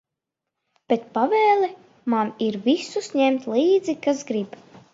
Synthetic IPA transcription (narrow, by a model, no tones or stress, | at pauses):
b̥et̪̚pavɛːlˠɛ | maniɾvisusɲɛmt̪lˠiːd̪zikasɡɾib